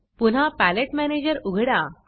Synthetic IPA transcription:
pun̤apæleʈmæned͡ʑəɾuɡʱɽa

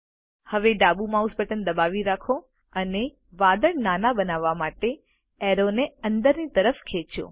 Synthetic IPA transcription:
həʋeɖabumãusbəʈənd̪əbaʋiɾakʰo | əne | ʋad̪əɭnanabənaʋːamaʈe | ɛɾoneənd̪əɾnit̪əɾəfkʰet͡ʃõ̰

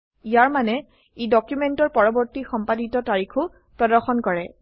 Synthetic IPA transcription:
ijaɹmanɛ | idɔkjumɛntɔɹpɔɹɔbɔɹtixɔmpaditɔtaɹikʰʊ | pɹɔdɔɹxɔnkɔɹɛ

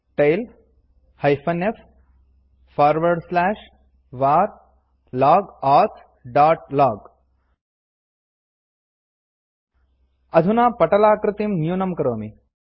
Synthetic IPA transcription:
ʈejl | hɐjfɐnef | faːɾʋɐɾɖslæːʂ | ʋaːɾ | laːɡaːt̪ʰ | ɖaːʈ̚laːɡ | ɐd̪ʱunaːpɐʈɐlaːkɾɪt̪imnjuːnɐmkɐɾoːmi

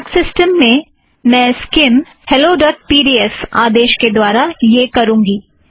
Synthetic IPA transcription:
ksɪsʈəmːẽ | mɛ̃ːskɪm | hɛloɖɔːʈ̚piːɖiːɛsa̰ːd̪eːʃked̪waːɾajeːkɐɾũːŋɡiː

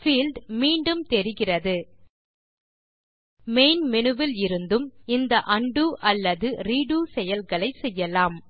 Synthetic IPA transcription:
fiːlɖmiːɳɖɯmt̪ɛɾɪɣɪrɐðɯ | meɪnmɪnɯʋɪlɪɾɯnd̪ɯmɪnd̪ɐʔɐɳɖuʔɐlːɐðɯɾiːɽuːsɛjɐlɣɐɭɐɪsɛjːɐlaːm

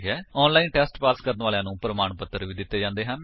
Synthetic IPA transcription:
ɦɛːɔːnlaːinʈɛːsʈpaːskəɾənʋaːljãːnũːpɾəmaːɳpət̪ːəɾʋiːd̪ɪt̪ːeːd͡ʒãːnd̪eːɦãn

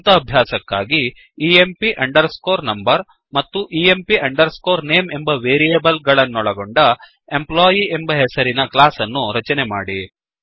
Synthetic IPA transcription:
t̪ɐːbʱjaːsɐkːaːɡiː | empiʔɐɳɖɐɾskoːɾnɐmbɐɾ | mɐt̪ːuʔiempiɐɳɖɐɾsko̞ːɾneːme̞mbɐʋe̞ːɾijɐbɐlɡɐɭɐnːɔɭɐɡoɳɖɐ | e̞mplaːjiembɐɦesɐɾinɐklaːsɐnːuɾɐt͡ʃɐnema̰ːɽi

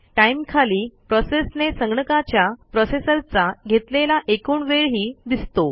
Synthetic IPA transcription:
ʈaimkʰaliːpɾɔsesnesəŋɡɳəkat͡ɕjapɾɔsesəɾt͡saɡʱet̪lelaʔekuːɳʋeɭɦiːd̪ist̪o

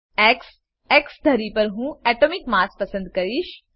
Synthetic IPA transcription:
ɛks | eksd̪ʱəɾipəɾɦũːɛʈomikmaspəsə̃nd̪kɐɾiʃ

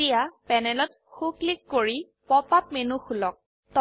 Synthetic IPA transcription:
ijapɛnɛlɔt̚ | xuklikːoɹi | pɔpap̚menuxulɔk̚ | tɔ

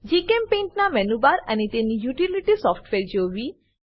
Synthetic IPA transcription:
d͡ʒikempẽɳʈnamɛnubaɾənet̪enijuʈiliʈisɔfʈʋeɾd͡ʒoʋi

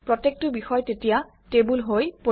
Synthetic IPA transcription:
pɹɔtek̚tʊbixɔjtetija | tebulɦojpo

